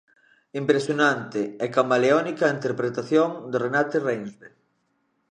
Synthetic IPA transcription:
impɾesjonãnt̪eekambaleɔnikaint̪eɾpɾet̪aθjoŋd̪orenat̪erejnβe

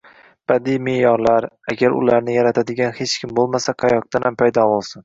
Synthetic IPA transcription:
b̥ad̪ijme̞jɒɾlaɾaɡʲaɾʊ̰laɾnɪjaɾat̪ʰad̪ɪɡʲanhe̞t͡ʃkʲʰɪmbolˠmasaqʰɑjɒq̚t̪anampʰajd̪ɒbolˠsɪn

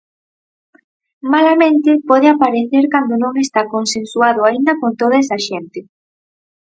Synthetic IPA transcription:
malamẽnt̪ɪpɔðeapaɾeθeɾkand̪onõŋest̪akonsensuaðʊaind̪akont̪oðaesaʃent̪ɪ

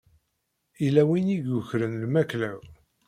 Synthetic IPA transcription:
ilæwiniʝʊçɾənlmæklæw

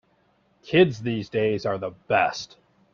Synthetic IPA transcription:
kʰɪdzðizdeɪzə˞ðəb̥ɛ̰st

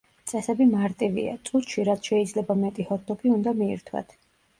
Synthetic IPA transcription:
t̪sʼɛsɛbimaɾt̪ʼivḭa̰t̪sʼut̪ʃiɾat̪sʰʃɛid̪zlɛbamɛt̪ʼihɔɾd̪ɔɡiund̪amḭːɾt̪ʰwa̰t̪ʰ

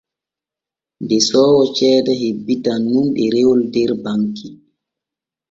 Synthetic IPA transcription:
ndɛsɔːwɔt͡ʃɛːdaɦebːitanːumɓɛɾewɔldɛɾbaŋki

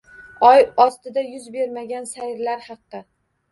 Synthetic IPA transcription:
ɒjɒst̪ɪd̪ajʊzbe̞ɾmaɡʲansajɾlaɾhɑqːɨ

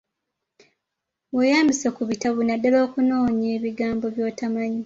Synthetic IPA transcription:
wejaːmbisekuβitaβunadːalo̞ːkuno̞ːɲeːβiɡaːmbo̞βjo̞ːtamaɲi

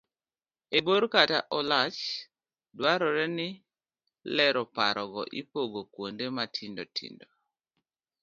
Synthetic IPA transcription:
eboɾkataʔɔlat͡ʃ | dwaɾɔɾɛnɪ | lɛɾɔpaɾʔɔɡɔʔipoɡokwondematʰindotʰḭndo

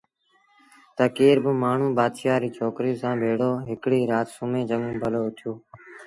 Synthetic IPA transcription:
t̪əkiːɾbəmaːɳ̤ũːbaːd̪ʃaːɾiːt͡ʃʰoːkɾijosãːbʱeːɽoːɦɪkɽiːɾaːt̪sʊmẽːd͡ʒəŋũːbʱəloːʊt̪ʰjoː

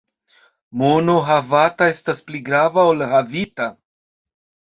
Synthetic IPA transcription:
mono̞ɦavatae̞staspliɡɾavaolhavita

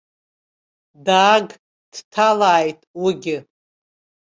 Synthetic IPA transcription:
daːɡ | d̥tʰalaːjtʼwiɡʲɪ

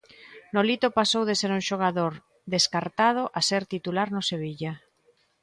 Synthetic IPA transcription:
nolit̪opasowðeseɾuŋʃoɣ̞aðoɾ | ðeskaɾt̪að̞oʔaseɾt̪it̪ulaɾnoseβ̞iʎa

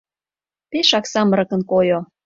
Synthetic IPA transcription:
peʃɑksɑməɾɤ̆kə̆nkojo

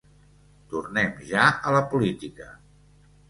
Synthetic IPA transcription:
t̪urnɛmʒaələpulit̪ikə

